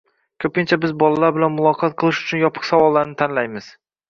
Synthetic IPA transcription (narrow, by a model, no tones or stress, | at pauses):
kʰɵpɪnt͡ʃʰabɪzbɒlˠalaɾbɪlanmʊlˠɒqʰɒt̪̚qʰɨlˠɪʃʊ̥t͡ʃʰʊnjɒpʰɨ̥qsavɒlˠːaɾnɪt̪ʰanlajmɪz̥